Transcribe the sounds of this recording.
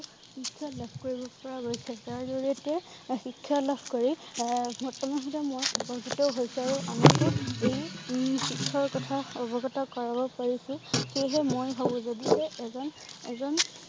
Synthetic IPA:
xikʰːalabʱkoɹibɔpɔɹaɦojsɛtaɹdoɹiɔtɛxikʰːalabʱkoɹimɔtɔmɔɦɔtɛmojbɔɡʱitɔɦojsɛaɹuamatʊejxikʰːɔɹkɔtʰaɔbɔɡɔtakɔɹabɔpaɹisʊ̃xeɦɛmojɦɔbɔ̃zadisɛɛzɔnɛzɔn

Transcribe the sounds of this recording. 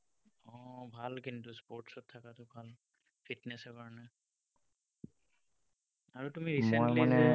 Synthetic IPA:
ɔbʱalkintuspoɹʈsɔtʰːakatʊbʱal | pʰitnɛsɛkaɹɔnɛ | aɹutumiɹisɛ̃jmaɛɛ

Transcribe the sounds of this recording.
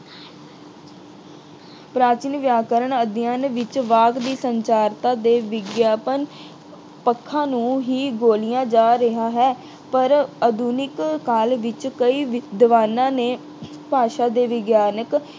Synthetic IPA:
pɾaːt͡ʃɪnʋjaːkəɾəɳəd̪ɪjãːnʋɪt͡ʃʋaːɡd̪iːsəɲt͡ʃaːɾt̪ãːd̪eːʋɪɡjaːpən | pəkʰːãːnũːɦiːɡoːlijãːd͡ʒaːɾɪɦaːɦɛː | pəɾəd̪uːnɪkkaːlʋɪt͡ʃkəiːʋd̪əʋaːnãːneː | paːʃaːd̪eːʋɪɡjaːnək

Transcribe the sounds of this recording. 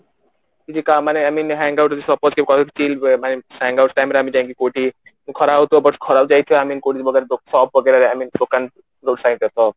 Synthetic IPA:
kid͡ʒikamaneaminɦɛ̃ŋɡawʈd͡ʒisɔpːɔskebkɔkt͡ʃilmanehɛ̃ŋɡawʈʈajmɾamit͡ʃãĩŋkikoʈi | kʰɔɾawt̪ʰɔbʌʈkʰɔɾabd͡ʒajt̪ʰijɔaminkoʈid͡ʒbɔɡeɾd̪osɔb̚bɔɡeɾaɾamind̪okan | ɾoɖsãj̃t̪et̪ʰɔ

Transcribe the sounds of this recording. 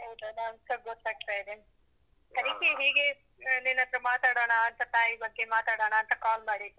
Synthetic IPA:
ɐʋʈ̪ɐd̪ɐɐmskɐɡɔt̪ːaːɡ̚t̪aːjid̪e | k̪ɐɾikeɦiːɡe | nenɐt̪ɾɐmaːt̪aːɽoːɳɐːnt̪ɐt̪aːjibɐɡːemaːt̪aːɽoːɳɐːnt̪ɐkaːlmaːɽid̪u

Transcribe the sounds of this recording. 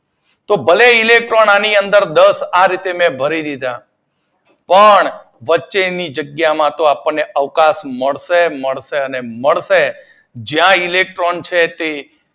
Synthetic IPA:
t̪obəleilek̚ʈɾonaniənd̪əɾd̪əsaɾit̪emɛ̃bʱəɾid̪id̪a | pəɳ | ʋətːʃenid͡ʒəɡjamãt̪oapəɳːeʔəʋkasməɭseməɭʃeəneməɭʃe | d͡ʒjãilek̚ʈɾont͡ʃʰet̪e

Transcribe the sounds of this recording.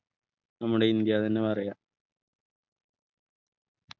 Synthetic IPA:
nɐmːuɽeind̪jaːt̪ɐnːepɐrɐjaː

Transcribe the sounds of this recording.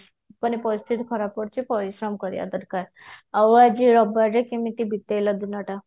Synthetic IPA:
pəñipɔst̪ʰit̪kʰɔɾapɔɾt͡ɕipɔɾisɾəmkəɾja̰d̪əɾkaɾ | aʋad͡ʑiɾɔbaɾekimit̪ibit̪ːejləd̪inaʈa

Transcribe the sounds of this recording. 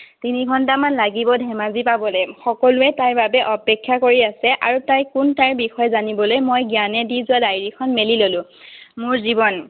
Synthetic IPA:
tiniɡʱɔntamanlaɡibɔdʱɛmazipabɔlɛxɔkɔlʊɛtaɹbabɛʔɔpɛkʰːjakoɹiasɛʔa̰ɹutajkʊntaɹbixɔjɛzanibɔlojmojɡjanɛdizʊwadajɹikʰɔnmelilolʊ̃ | mʊɹzibɔn

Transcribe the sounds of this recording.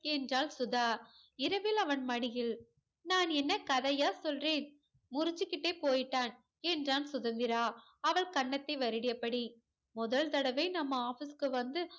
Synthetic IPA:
ɛndraːlsʊðaː | ɪɾɐʋɪlɐʋɐnmɐɳɪjɪl | naːnɛnːɐkɐðɐjaːsɔlreːn | mʊɾʊt͡ʃːɯkːɪʈːeːpoːjɪʈːaːn | ɛndraːnsʊðɐnd̪ɪɾaː | ɐʋɐɭkɐɳːɐt̪ːɐɪʋɐɾɪɽɪjɐpːɐɽi | mʊðɐɭt̪ɐɽɐʋeɪnɐmːɐaːfɪskɯʋɐnd̪ɯ

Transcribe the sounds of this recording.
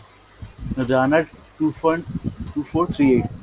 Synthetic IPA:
noɖaːnəɖʈuːfənʈuːfoːɾt̪ʰɾiːeːʈ̚

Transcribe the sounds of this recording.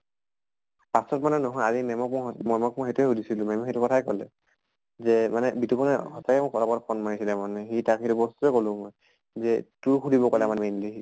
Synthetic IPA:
pasɔtmanɛnɔɦɔjazimɛmɔk̚mɔmɔjmɔkmɔxetuɛudisilʊ̃mɔmɔxetukɔtʰajkɔlɛ̰ | zɛmanɛbitupɔnɛhɔsakɛmɔɔapɔtpʰɔnmaɹisilɛmanɛxitakʰitubɔstuɛkolʊ̃mɔj | zɛtuɹkʰudibɔkɔlɛmanmɛnlixi

